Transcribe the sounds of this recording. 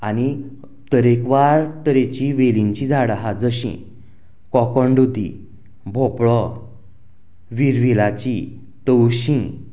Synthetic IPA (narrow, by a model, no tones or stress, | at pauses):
ani | t̪əɾekʋaɾt̪əɾet͡ɕiʋeliɲt͡ɕid͡zʱaɽaɦad͡zəɕḭ̃ | kɔkɔɳɖud̪ḭ̃ | bʱɔpɭɔ | ʋiɾʋilat͡ɕi | t̪əwɕĩ